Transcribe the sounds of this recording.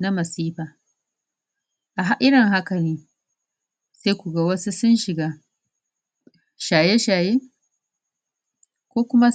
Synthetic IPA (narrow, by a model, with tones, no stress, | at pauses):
na˦mɐ˨siː˦ɸaː˨ | ʔa˨ɦa˦ʔɪ˦ɽɪ˨ŋɦa˦kɐ˨niː˦ | seː˦kʷu˨ɡa˦wɐ˦su˦sʊ˦nʃɪ˨ɡaː˦ | ʃaː˨je˦ʃaː˨jeː˦ | kʷoː˦kʷʊ˦ma˦